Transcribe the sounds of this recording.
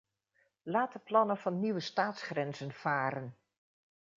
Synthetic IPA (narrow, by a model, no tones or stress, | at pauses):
laːtəplɑnəv̥ɑnːiʋəstaːtsχrɛnzənv̥aːɾən